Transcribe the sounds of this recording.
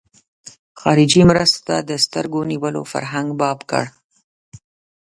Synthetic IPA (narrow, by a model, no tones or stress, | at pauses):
xɑɾɪd͡ʒimɾəst̪ad̪əst̪əɾɡoniwəlo̰fa̰ɾɦaŋɡbɑbkə̰ɽ